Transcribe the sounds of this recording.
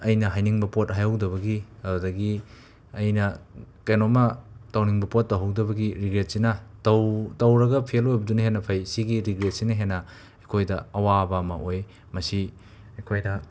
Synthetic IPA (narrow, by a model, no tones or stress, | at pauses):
ɐjnɐɦajniŋbɐpot̚ɦajɐwdɐβɐɡiɐbudɐɡi | ɐjnɐkɐjnomɐtɐwniŋbɐpot̚ːɐwɦɐwdɐbɐɡiɾiɡɾet̚sinɐtɐwtɐwɾɐɡɐpʰielojbɐdunɐɦenːɐpʰɐjsiɡiɾiɡɾet̚sinɐɦenːɐ | ɐkʰojdɐɐwabɐːmɐʔoj | mɐsi | ɐkʰojdɐ